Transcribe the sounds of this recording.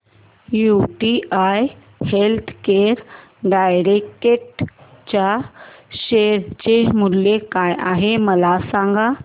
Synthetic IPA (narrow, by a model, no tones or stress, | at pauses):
juʈiaj | helt̪ʰkeɾ | ɖajɾekeʈ | t͡ɕaɕeɾt͡ɕemuljekaja̰ɦeməlasãŋɡa